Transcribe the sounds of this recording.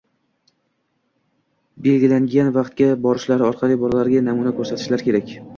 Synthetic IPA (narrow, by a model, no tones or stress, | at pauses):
be̞lɡʲɪlaŋɡʲanvɑqt̪̚ɡʲabɒɾɪʃlaɾɪɒɾqʰɑlˠibɒɾlaɾɡʲanamunakʰɵɾsat̪ʰɪʃlaɾkʲʰe̞ɾakʲ